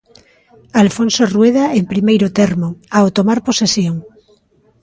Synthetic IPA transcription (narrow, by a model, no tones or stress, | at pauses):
alfõnsorweð̞aempɾimejɾot̪eɾmoawt̪omaɾposesjoŋ